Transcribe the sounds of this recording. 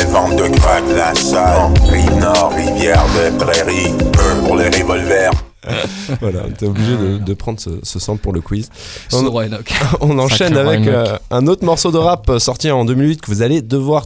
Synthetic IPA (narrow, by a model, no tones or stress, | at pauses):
evɑ̃t̪d̪əɡʁavlasaʁinɔʁːivjɛʁd̪əepʁeʁiøpuʁleʁevɔlvɛʁ | vwalã̰t̪ɛobliʒed̪əd̪əpχɑ̃d̪ʁsə̰səsɑ̃puʁləkwizɔ̃kɔ̃nɑ̃ʃɛnavɛkɛ̃not̪χmɔʁsod̪əʁapsɔʁt̪iɑ̃d̪ømilɥit̪̚kəvuzaled̪əvwaʁ